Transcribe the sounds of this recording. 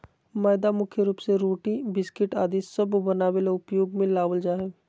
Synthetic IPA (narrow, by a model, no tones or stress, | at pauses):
maːjd̪amʊkʰjəɾuːpseɾoːʈibɪskɪʈaːd̪isɐbbənaːweleʊpjoːɡmẽlaːʋəld͡ʒaːɦeː